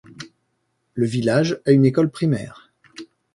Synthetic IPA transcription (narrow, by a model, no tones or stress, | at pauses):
ləvilaʒaynekɔlpχimɛ̰ːʁ